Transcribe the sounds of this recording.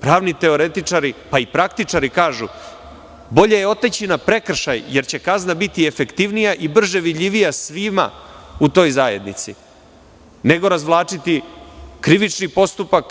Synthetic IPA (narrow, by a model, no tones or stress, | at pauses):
pɾaːʋnit̪e̞o̞ɾe̞t̪it͡ʂaɾipaipɾak̚t̪it͡ʂaɾikaːʒu | bo̞ʎe̞jeo̞t̪et͡ɕinapɾe̞kr̩ʃajje̞ɾt͡ɕe̞kaznabit̪iefe̞kt̪iʋnijaʔibr̩ʒe̞ʋid̪ʎʲiʋijasʋima̰ut̪o̞ːjzaːje̞d̪nḭt̪sḭ | ne̞ɡo̞ɾazʋlˠaːt͡ʂit̪ikɾiʋit͡ʃnipo̞st̪upak